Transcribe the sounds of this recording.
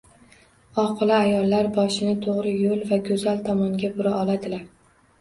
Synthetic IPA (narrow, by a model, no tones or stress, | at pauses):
ɒqʰɨlˠɪajɒlˠːaɾbɒʃɪnɪt̪ʰoʁɾɪjolˠvaɡʲɵzalt̪ʰɒmɒŋɡʲabʊɾaɒlˠad̪ɪlaɾ